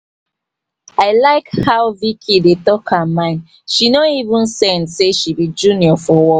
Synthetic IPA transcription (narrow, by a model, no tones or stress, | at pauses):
aɪlaɪkhaʊvikʰidetɔkʰamãɪ̃n | ʃinoivũnsɛ̃nseʃibid͡ʒuniɔfɔwɔ